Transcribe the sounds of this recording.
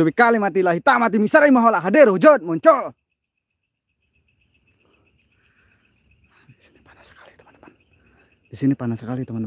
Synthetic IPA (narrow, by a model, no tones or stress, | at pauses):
uwikalimat̪̬ilaɦit̪amat̪̬imisaɾaimaɦɔlaʔɦadɛɾud͡ʒɔt̪̚mɔɲt͡ʃɔl | disi̥nipanasə̥kḁlit̪u̥anapan | disinipanasəkalit̪uman